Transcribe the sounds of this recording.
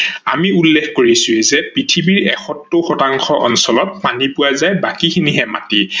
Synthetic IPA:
a̰miulːexkoɹisʊɛzɛpɹitʰibiɹɛxɔtːoxɔtaŋxɔʔɔnsɔlɔt̚panipʊwazajbakikʰiniɦɛma̰ti

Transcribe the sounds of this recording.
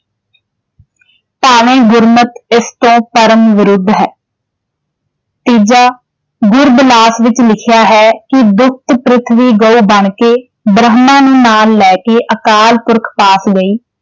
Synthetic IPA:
paːʋẽːɡʊɾmət̪ɪst̪õːpəɾəmʋɪɾʊd̪ʱːɦɛː | t̪iːd͡ʒaː | ɡʊɾblaːsʋɪt͡ʃlɪkʰɪjaːɦɛːkɪd̪ʊk̚ʰt̪pɾɪt̪ʰʋiːɡəːuːbəɳkeː | bɾəɦmãːnũːnaːlːɛːkeːʔəkaːlpʊɾkʰpaːsɡəiː

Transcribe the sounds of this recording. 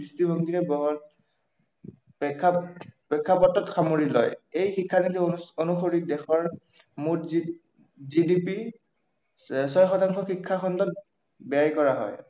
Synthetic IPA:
bistibʱɔŋɡiɹɛbɔɦɔ | pɛkʰːapɛkʰːapɔtːɔtxamoɹilɔ̰jejxikʰːanitɛonuxoɹik̚dɛxɔɹ | mu | zidipi | sɔjxɔtaŋxɔxikʰːaxɔndɔt̚ | bɛjajkɔɹaɦɔ̰j

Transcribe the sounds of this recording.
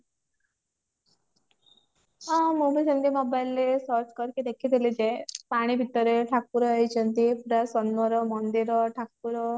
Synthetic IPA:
mubʱit͡ʃʰənt̪imɔbajlːesɔɾt͡ʃkɔɾked̪ekʰid̪ʱilid͡ʒepaɽ̃ibʱit̪ɔɾeʈʰak̚puɾɔɦɔjt͡ʃʰʌnt̪ipuɾasɔnɔɾɔmɔnd̪iɾɔʈʰak̚puɾɔ

